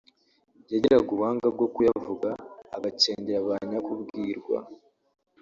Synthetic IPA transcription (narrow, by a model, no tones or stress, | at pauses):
ɟaɟeɾaɡuβaːŋɡab̚ɡo̞kujavuɡa̰ːɡace̞ːɲɟeɾaβaːɲakubɡiːɾɡwa̰